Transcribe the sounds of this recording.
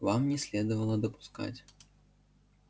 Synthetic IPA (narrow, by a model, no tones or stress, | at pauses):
vamnʲɛsʲlʲɛd̪ɐvɐlˠɐd̪ɐpu̥ska̰t͡sʲ